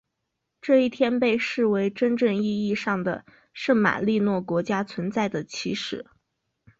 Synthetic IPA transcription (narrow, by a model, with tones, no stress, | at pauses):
ʈ͡ʂɤ˥˧i˥˩t̪ʰjɛ˥npe˥˧ɪʂɻ̩˥˩we˧˥ɪʈ͡ʂə˥nʈ͡ʂə˥˧ŋi˥˧i˥˧ʂɑ˥˩ŋd̪ə̰˩ | ʂə˥˩ŋma̰˨˩li˥˧nwɔ˥˩kwɔ˧˥t͡ɕja˥t͡sʰwə˧˥nt͡sa˥˩ɪd̪ə˩t͡ɕʰi˧˥ʂɻ̩˨˩˦